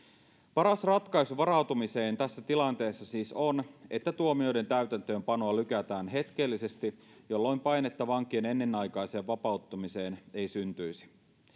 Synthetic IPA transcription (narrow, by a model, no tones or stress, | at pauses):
pɑɾɑsrɑt̪kɑisuʋɑɾɑwt̪umise̞ːnt̪æsːæt̪ilɑnt̪e̞ːsːɑsiːso̞ne̞t̪ːæt̪uomio̞jde̞nt̪æyt̪ænt̪øːmpɑno̞ɑlykæt̪æːnɦe̞t̪k̟e̞lːise̞st̪i | jo̞lːojmpɑjne̞t̪ːɑʋɑŋk̟iene̞nːe̞nːɑjkɑjse̞ːʋʋɑpɑut̪ːumise̞ːne̞jsynt̪yisi̥